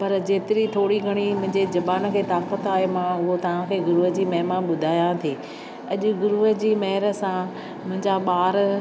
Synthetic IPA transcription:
pɐɾd͡ʑeːt̪ɪɾit̪ʰoːɽiɡʱɐɽ̃imʊ̃ɦɪ̃ɲd͡ʑed͡ʑɐbaːnə̆kʰeːt̪aːkət̪aːɦemãʊɦot̪ɐʋ̤ãkʰeːɡʊɾuːɦəd͡ʑiːmɐɦmãɓʊd̪ʱaːjãt̪ʰiː | ɐʄʊ̆ɡʊɾuːɦəd͡ʑiːmɐɦɪɾə̆sã | mʊ̃ɦɪ̃ɲd͡ʑaɓaːɾ

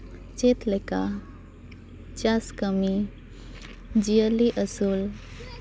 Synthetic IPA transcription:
t͡ɕet̪leka | t͡ɕaskəmi | d͡ʑijəliʔəsul

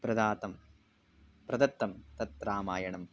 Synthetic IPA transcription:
pɾɐd̪aːt̪ɐm | pɾɐd̪ɐt̪ːɐmt̪ɐt̪ːɾaːmaːjɐɳɐm

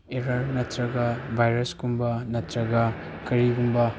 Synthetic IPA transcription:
eɾɐɾnɐtɾɐɡɐbʱajɾɐskumbɐnɐtɾɐɡɐ | kɐɾiɡumbɐ

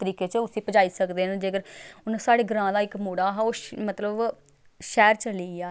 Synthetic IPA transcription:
t̪əɾiːkeːt͡ʃəʊsĩːpəd͡ʒaːiːsəkd̪eːnãd͡ʒeːkəɾʊnsaːɽeːɡəɾãːd̪aːɪkmoːɽaːɦaoːmət̪ləb | ʃɛːɾt͡ʃəliːaː

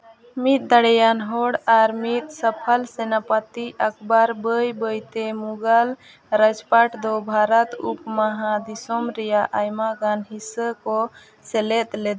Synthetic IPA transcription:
mit̪̚d̪əɽɛjanɦɔɽaɾmit̪̚səpʰəlsɛnapat̪iʔəkʰbaɾbəjbəjt̪emuɡal | ɾəd͡ʒpaʈd̪ɔbʱaɾət̪upmaɦãd̪isɔmɾɛjaʔajmaɡanɦisəkɔ | sɛlɛt̪lɛd̪

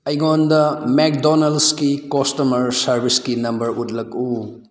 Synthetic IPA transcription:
ɐjɡondɐmek̚donalskikostomɐɾsɐɾbʱiskinɐmbɐɾut̚lɐk̚u

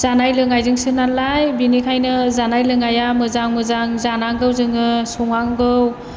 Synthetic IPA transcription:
z̥anajlɯŋajzɯŋsɯnalajbinikʰajnɯzanajlɯŋajamɯzaŋmɯzaŋzanaŋɡɯwzɯŋɯsɔŋaŋɡɯw

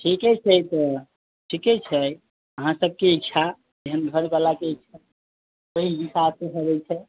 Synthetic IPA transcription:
ʈʰikɛt͡ʃʰɛt̪ɔ | ʈʰikɛt͡ʃʰɛ | əɦãsəb̚keitːʃʰa | d͡ʒeɦənbʱəɾnbalakeitːt͡ʃʰa | əɦibisaseɦəbɛt͡ʃʰɛ

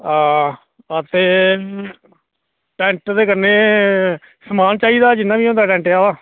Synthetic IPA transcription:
aː | ət̪eː | ʈɛ̃ːɳʈd̪eːkəɾneː | səmaːnt͡ʃaːiːd̪aːd͡ʒɪnːãːʋiːõːnd̪aːʈɛ̃ːɳʈejaːʋaː

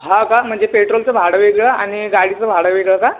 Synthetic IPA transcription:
ɦãkam̤əɳd͡zepeʈɾolt͡səbʱaɽəʋeɡɭəaɽ̃iɡaɽit͡səbʱaɽəʋeɡɭəka

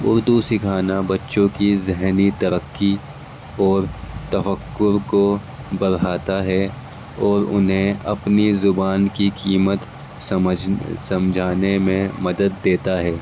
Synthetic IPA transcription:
ʊɾd̪usɪkʰaːnabɐtːʃõkizɪɦnit̪ɐɾəkːi | ɔːɾt̪ɐfəkːʊɾko | bɐɾɦaːt̪aɦɛ | ɔːɾʊ̰nɦẽɐpnizʊbaːnkikiːmət̪ | s | sɐ̃md͡ʒʱaːnemẽmɐd̪əd̪ːeːt̪aɦɛː

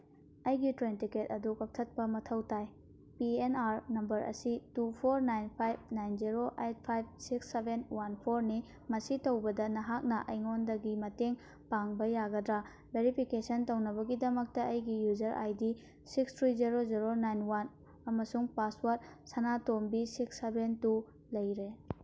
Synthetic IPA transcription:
ɐjɡitɾentiketɐdukɐk̚tʰɐt̚pɐmɐtʰɐwtaj | pienaɾnɐmbɐɾɐ̰situpʰoɾnajnpʰajb̚najnziɾoʔejt̚pʰajb̚siksːebʱenwanpʰoɾni | mɐsitɐwbɐdɐnɐɦak̚nɐʔɐjŋondɐɡimɐteŋ | paŋbɐjaɡɐdɾa | beɾipʰikesɐntownɐβɐɡidɐmɐk̚tɐʔɐjɡijuzɐɾʔa̰jdi | sikstʰɾiziɾoziɾonajnwan | ɐmɐsuŋpaswat̚sɐnatombisiksːebentu | lɐjɾe

